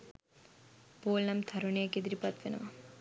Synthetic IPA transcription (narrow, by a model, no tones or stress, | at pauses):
poːlnamt̪ʰɐɾunejəked̪iɾipat̪ʋenə̰ʋɐ